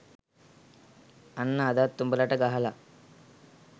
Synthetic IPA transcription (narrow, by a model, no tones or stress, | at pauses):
anːaːd̪at̪ːumbəlaʈəɡaɦala